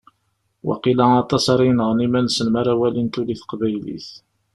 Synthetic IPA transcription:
wæ̰qilaɑt̪ˤɑsɑɾˤinəʁnimænsənmaɾˤawælint̪uliθqbæjlḭθ

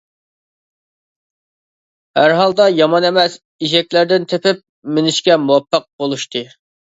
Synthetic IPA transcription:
hæɾɦɑlˠd̪ɑjɑmɑnemɛs | iʒɛkʲlæɾd̪ɪnt̪ʰepɪp̚mɪnɪʃkʲɛmuwɑpʰːɨq̚bolˠuʃt̪ʰɨ

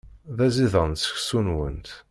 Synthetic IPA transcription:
ðæziðənsə̥çsunwə̰nt̪

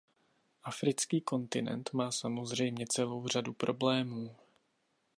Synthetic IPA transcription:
ʔafɾɪt͡skiːko̞nt̪ɪnɛ̰nt̪maːsamo̞zr̝ɛjmɲɛt͡sɛlo̞wr̝adupɾʔo̞blɛːmuː

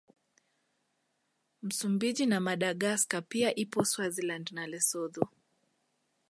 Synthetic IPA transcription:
m̩sumbiʄinamaɗaɠaskapiaʔipɔswazilandnalɛsɔðu

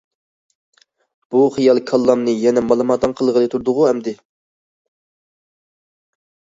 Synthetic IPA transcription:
b̥uχijɑlˠkʰɑlˠːɑmnɨjɛnɛmɑlˠɨmɑt̪ːɑnqʰəlˠʁəlˠɨt̪ʰuɾd̪ʊʁʊɦɛmd̪ɪ

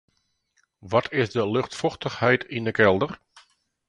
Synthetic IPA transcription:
ʋɔtʰɪsdəløxtfɔxtəxhɛjtʰindəkʰɛlˠdər

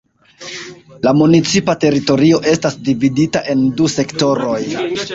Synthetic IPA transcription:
lamunit͡sipate̞ɾito̞ɾio̞ʔe̞stasdividitaʔe̞nduse̞kto̞ɾo̞j

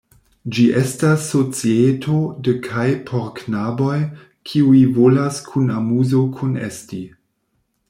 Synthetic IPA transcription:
d͡ʒiʔe̞stasːo̞t͡sietʰodəkʰajpʰoɾknabo̞j | kʰiuivolaskʰunamuzokʰunḛsti

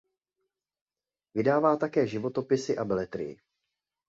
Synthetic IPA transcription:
vɪdaːvaːt̪akɛːʒɪvo̞t̪o̞pɪsɪʔabɛlɛt̪ɾɪ̰jɪ̰

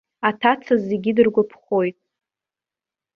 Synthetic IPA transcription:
atʰat͡sʰazeɡʲidɨrɡʷapʰχo̞jtʼ

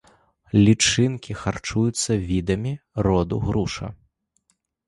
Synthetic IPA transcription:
lʲit͡ʂɨnkʲixart͡ʂujut̪sːɐvʲid̪ɐmʲirɔd̪ṵɣɾuʂɐ̰

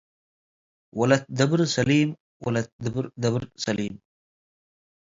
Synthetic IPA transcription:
wɐlɐt̪̚d̪ɐbɾsɐliːm | wɐ̰lɐt̪̚d̪bɾd̪ɐbɾsɐliːm

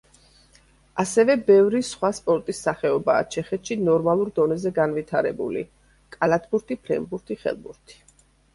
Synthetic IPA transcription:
asɛvɛbɛvɾisχwaspʼɔɾt̪ʼisːaχɛɔba̰ːt͡ʃʰɛχɛt̪ʃinɔɾmalˠuɾd̪ɔnɛzɛɡanvit̪ʰaɾɛ̰bṵlḭ | kʼalat̪ʰbuɾt̪ʰipʰɾɛ̰mbuɾt̪ʰiχɛ̰lˠbṵɾt̪ʰi̥

